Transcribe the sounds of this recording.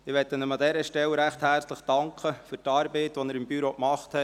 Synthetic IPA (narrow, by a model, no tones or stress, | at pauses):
ɪʋɛtːənəmɑd̪ɛɾəʃtɛlːəɾæχthæɾt͡sləχd̥ɑŋkʰəfyɾtɑːɾbɛɪtʋɔnəɾɪmbyɾoːkmɑχthɛ